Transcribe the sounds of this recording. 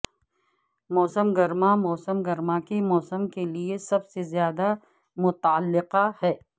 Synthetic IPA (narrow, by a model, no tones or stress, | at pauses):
mɔːsəmɡɐɾmamɔːsəmɡɐɾmakemɔːsəmkeliesɐbsezjaːd̪a | mʊt̪ːəlːɪqahɛː